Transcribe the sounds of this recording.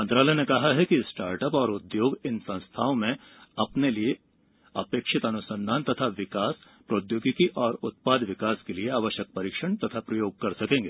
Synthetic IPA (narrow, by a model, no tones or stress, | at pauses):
mɐ̃nt̪ɾaːlɛjnekɐɦaɦɛkisʈaːɾʈəpɔːɾʊd̪joːɡɪnsɐ̃st̪ʰaːõmẽ | ɐpnelie | ɐ̰peːkʃɪt̪ɐnʊsə̃nd̪ʱaːnt̪ɐt̪ʰaʋɪkaːs | pɾoːd̪joːɡɪkiʔɔːɾʊt̪̚paːd̪ʋɪkaːskelieaːʋəʃjək̚pɐɾiːkʃəɽ̃t̪ɐt̪ʰapɾɐjoːɡ̚kɐɾsɐkẽːŋɡeː